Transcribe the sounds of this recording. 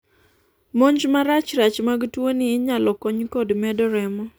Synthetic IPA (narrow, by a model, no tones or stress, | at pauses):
moɲd͡ʒmaɾat͡ʃɾat͡ʃmaɡtwonɪːɲalɔkɔɲkɔdmɛdɔɾɛmɔ